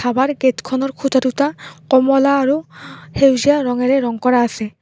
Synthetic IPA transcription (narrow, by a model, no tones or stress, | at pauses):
abaɹɡetkʰɔnɔɹkʰutʰatutakɔmɔlaːɹuhewzijaɾɔŋɛɾɛɾɔŋkɔɹaːsɛ